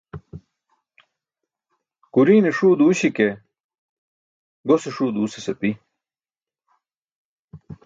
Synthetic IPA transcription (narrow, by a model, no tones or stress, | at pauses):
kuɾiːneʂuːd̪uːɕike | ɡoseʂuːd̪uːsesɐpi